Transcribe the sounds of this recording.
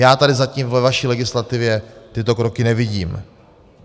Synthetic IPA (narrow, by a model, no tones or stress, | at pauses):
jaːt̪adɪzaciːmvɛvaʃiːlɛɡɪslat̪ɪvjɛt̪ɪt̪o̞kɾokɪnɛvɪɟiːm